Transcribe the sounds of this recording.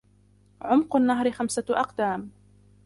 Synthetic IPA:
ʕʊmqʊnːaɦɾɪxamsaʔɑ̰qd̪aːm

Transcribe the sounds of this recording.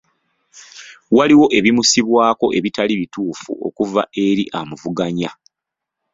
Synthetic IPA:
waliwo̞ʔe̞βimusiβwaːko̞ʔe̞βitaliβituːfṵʔo̞̰kuva̰ʔe̞ɾḭʔamuvuɡaɲa

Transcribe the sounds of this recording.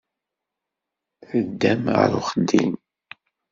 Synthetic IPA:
θəd̪ːæmʁə̰ɾṵχəd̪ːḭn

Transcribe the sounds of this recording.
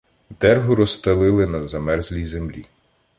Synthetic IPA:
d̪ɛrɦʊɾɔst̪ɐlˠɪlˠɪnɐzɐmɛrzlʲijzemlʲi

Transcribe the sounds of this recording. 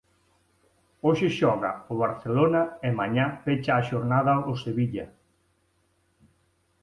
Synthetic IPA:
oʃɪʃɔɣɐ̰ʊβ̞aɾθelonɐɪmaɲafet͡ʃaːʃoɾnaðɐʊseβiʎɐ

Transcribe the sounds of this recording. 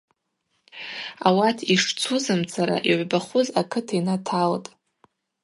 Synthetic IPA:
a̰watʰiʂt͡sʰuzɨmt͡sʰaɾa̰ʔiʕʷbaχʷʊzakʰɨtʰainatʰaltʼ

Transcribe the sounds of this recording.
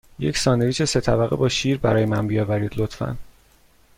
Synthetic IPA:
je̞̰csɒːneviːʃese̞t̪ʰæbæɣebɒːʃiːɾbæɾɒːjemænbijɒːbæɾiːd̪̥lot̪fæ̰n

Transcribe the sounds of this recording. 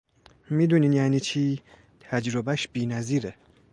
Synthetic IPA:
miːd̪uːniːnjæːniːt͡ʃʰiː | t̪ʰæd͡ʒɾobæʃbiːnæziːɾe

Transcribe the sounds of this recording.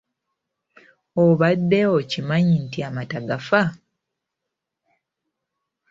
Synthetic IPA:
oβadːe̞ocimaɲintiamataɡafa

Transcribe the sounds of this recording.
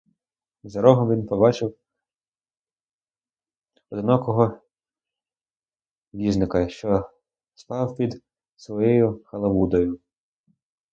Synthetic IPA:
zɐɾɔɦɔmʋʲinpɔbɑt͡ʃɪw | ɔd̪ɪnakɔɦɔ | ʋʲiznɪkɐʃt͡ʃɔ | spɑwpʲid̪ | sʋɔjɔjʊxɐlˠɐʋud̪ɔjʊ

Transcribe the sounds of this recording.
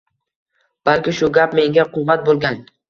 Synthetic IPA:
b̥alkʲɪʃʊɡʲapme̞ŋɡʲaqʰʊvːat̪̚bolˠɡʲan

